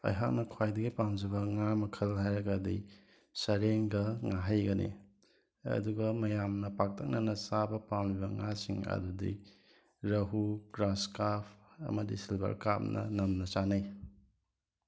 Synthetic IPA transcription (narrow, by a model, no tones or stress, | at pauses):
ɐ̰jɦak̚nɐkʰwajdɐɡipamd͡ʒɐbɐŋamɐkʰɐlɦajɾɐɡɐdi | sɐɾeŋɡɐŋaɦajɡɐnḭ | ɐ̰duɡɐmɐjamnɐpak̚tʰɐk̚nɐnɐsabɐpamlibɐŋasiŋɐ̰dudḭ | ɾɐɦuɡɾaskapʰɐ̰mɐdisilbɐ̰ɾkap̚nɐ̰nɐmnɐsanaj